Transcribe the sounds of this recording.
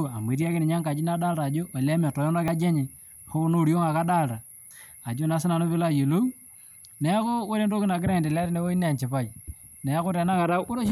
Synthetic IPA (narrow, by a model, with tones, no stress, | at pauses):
a˨m˨e˨˦ɾja˦kɪ˦nɪ˨ɲa˦ŋka˨d͡ʒi˦n˦a˦da˦lta˨d͡ʒo˦a˨la˦ma˨tɔ˨jɔ˦na˦ka˦d͡ʒe˦ɲe˨ | ho˦no˦˨ɾjo˦ŋa˨ka˦da˦˨lta˨ | a˨d͡ʒo˦na˨˦s̬ɪ˦na˨no˦pɪ˦la˦je˨lu˦ | nɛ˨a˦ko˦we˦ɾe˦ndo˦kɪ˦na˨k̬ɪ˦ɾa˦˨de˨la˦ɾɪ˦ne˦wo˦i˦n˦a˨nt͡ʃɪ˨pa˦˨ | nɛ˨a˦kʊ˦tɛ˨na˦ka˨˦ɾo˦ʃ